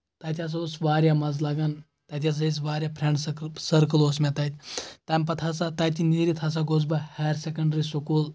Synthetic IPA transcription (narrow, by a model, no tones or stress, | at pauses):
t̪ɐːt̪ʲas̬oːsʋaːɾjamɐzlaːɡɐn | t̪ɐt̪̬ʲas̬ais̬ʋaːɾʲjapʰɾeɳɖsɐɾkəloːsmet̪ɐt̪ʲt̪ɐmʲpɐt̪ʰɐsat̪ɐːt̪ʲiniːɾit̪ʰɐs̬aɡoːzbɐhaːɾsekɐɳɖɾisokuːl